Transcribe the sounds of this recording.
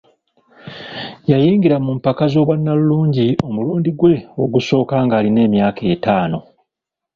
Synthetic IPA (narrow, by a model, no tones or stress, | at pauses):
jajiːŋɡiɾamumpakazo̞ːβwanːaluluːɲɟio̞muluːndiɡwe̞o̞ɡuso̞ːkaːŋɡaːline̞ːmjaːkʰe̞ːtaːno̞